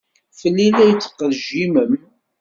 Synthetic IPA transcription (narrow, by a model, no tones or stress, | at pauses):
fəlːilæjət͡sːə̥qːəðʒiməm